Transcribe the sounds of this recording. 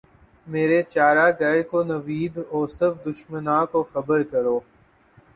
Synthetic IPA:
meːɾet͡ʃaːɾaɡɛːɽkonɐʋiːd̪ɔːsɪɾfd̪ʊʃmənãːkoxɐbəɾkɐɾoː

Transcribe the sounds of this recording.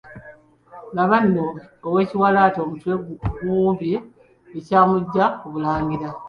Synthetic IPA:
laβanːoːwe̞ːciwalaːto̞ːmutweɡɡuːmbi | ecaːmuɟːakuβulaːŋɡiɾa

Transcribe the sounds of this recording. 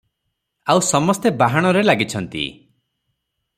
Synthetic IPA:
awsɔmɔst̪ebaɦaɽ̃ɔɾelaɡit͡ʃʰɔnt̪ḭ

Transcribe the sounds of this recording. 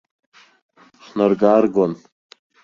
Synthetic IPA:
χnarɡarɡon

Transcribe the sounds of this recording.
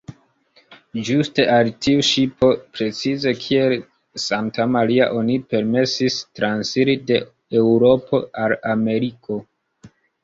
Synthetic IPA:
d͡ʒuste̞ʔaltiuʃipo̞pɾe̞t͡size̞kʰie̞l | santamaɾia̰ʔo̞nipe̞ɾme̞sistɾansiɾide̞ | ewɾo̞pʰo̞alame̞ɾikʰo̞

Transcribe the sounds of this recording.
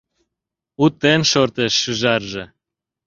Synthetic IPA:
ut̪ːenʃort̪eʃːyʒɑrʒĕ

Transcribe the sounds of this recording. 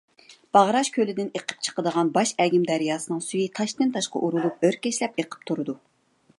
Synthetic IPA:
b̥ɑʁɾɑʃkʲʰølɪd̪ɪneqʰə̥p̚t͡ʃʰə̥qəd̪əʁɑnbɑʃɛɡʲimd̪ɛɾijɑːsɨnɨŋsyjit̪ʰɑʃt̪ɨnt̪ʰɑʃqɑ̰ʔuɾulˠup̚øɾkʲɛʃlɛpeqʰə̥p̚t̪ʰuɾɨd̪u

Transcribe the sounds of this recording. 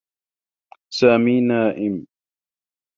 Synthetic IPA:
saːmiːnaːʔɪm

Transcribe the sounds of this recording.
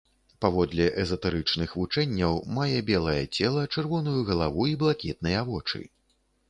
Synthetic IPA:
pavɔd̪lʲɛʔɛzɐt̪ɛɾɨt͡ʂnɨxvut͡ʂɛnʲːɐwmajɛbʲɛlˠɐjɐ̰t͡sʲɛlˠɐt͡ʂɛrvɔnujuɣɐlˠavuiblˠakʲɛt̪̚nɐjavɔt͡ʂɨ̰

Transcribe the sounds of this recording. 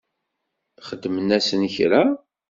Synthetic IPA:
χəd̪ːmənæsənçɾæ

